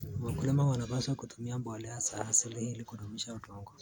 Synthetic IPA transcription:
wakulimawanapaswakutʰumiambɔlɛasahasilihilikuɗumiʃautɔŋɡɔ

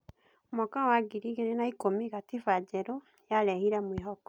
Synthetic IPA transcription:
mokawaɡiɾiɡenenaikomiɡatifaɟeɾo | jalehiɾamwiːɦoko̥

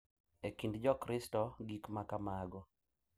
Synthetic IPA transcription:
ekindd͡ʒɔkɾɪstɔɡikmakamaɡɔ

